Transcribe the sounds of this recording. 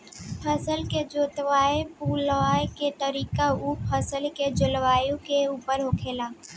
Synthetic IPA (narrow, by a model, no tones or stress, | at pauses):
pʰəsəlked͡ʒoːt̪ʋaːepuːlaːeket̪əɾiːkaupʰəsəlked͡ʒʊlʋaːjũkeuːpəɾɦoːkʰeːlaː